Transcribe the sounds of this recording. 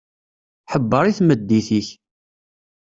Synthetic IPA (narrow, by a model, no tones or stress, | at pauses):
ħəbːəɾˤiθməd̪ːiθiç